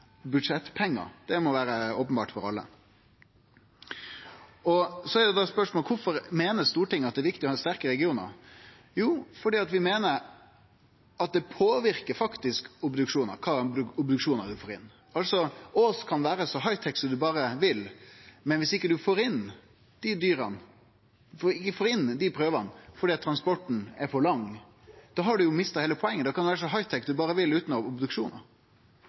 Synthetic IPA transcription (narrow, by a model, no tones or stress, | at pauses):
bʉd̪ʂɛt̪ːpʰɛŋːə̰d̪̥ɛmɔʋæːɾəoːpənbɑ̰ːʈfɔɾɑ̰lːə̰ | ɔsɔɛɾjɛd̪ɑspœʂmoːlkʰʊfɔɾmeːnəst̪uːɾʈɪŋːɑt̪̚d̪ɛːʋɪkt̪ɪɔhɑːst̪æɾkəɾɛɡɪuːnə̰ɾ | juːfɔɖiːɑt̪ʋɪmeːnəɾ | ɑt̪̚d̪ɛpʰoːʋɪɾkəɾfɑkt̪ɪskʊbd̪ʉkʂuːnə̰ɾkʰɑːʊbd̪ʉkʂuːnəɾd̪ʉfoːɾɪnː | ɑlsɔɔskʰɑnʋæːɾəsɔɦɑɪt̪ʰɛksɔmd̪ʉbɑːɾəʋɪlmɛnʋɪsɪkːəd̪ʉfoːɾɪn | d̪̥ɪd̪yːɾɑ̰n | fɪkːəfoːɾɪnd̪ɪpʰɾøːʋɑnfɔɖiːɑt̪ʰːɾɑnspɔʈːɳ̩ɛɾpʰɔlɑŋ | d̪̥ɑːɦɑɖʉjʊmɪst̪ɑheːləpʰɔɛŋːənd̪ɛkʰɑnʋæːɾəsɔɦɑɪt̪ʰɛkːd̪ʉbɑːɾəʋɪlʉːt̪nɑʋʊbd̪ʉkʂuːnə̰ɾ